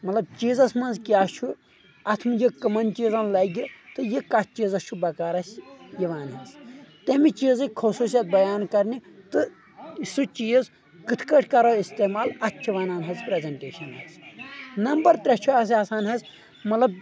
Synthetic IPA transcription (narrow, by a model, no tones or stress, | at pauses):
mɐt̪lɐb̚t͡ʃiːzɐsmɐnzkʲaːt͡ʃʰu | ɐt̪ʰmɨjikɐmɐnt͡ʃiːzɐnlɐːɡit̪ɨjikɐt̪ʰt͡ʃiːzɐst͡ʃʰubɐkaːɾɐsʲjiʋaːnɦɐnzt̪ɐmit͡ʃiːzɨkʰɐsuːsjɐt̪̚bɐjaːnkɐɾnit̪ɨ | isut͡ʃiːz | kɨt̪ʰkɐʈʰkɐɾoːist̪eːmaːlɐt̪ʰt͡ʃʲːʰiʋaːnaːnɦɐzpɾezɐɳʈeːʃɐnɐ̰znɐmbɐɾt̪ɾʲɐt͡ʃʰuaːs̬ʲaːsaːnɦɐz | mɐt̪lɐb̚